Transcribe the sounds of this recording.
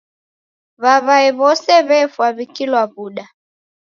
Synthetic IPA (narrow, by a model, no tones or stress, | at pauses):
βaβaɛβɔsɛβɛfwaβikilwaβuɗa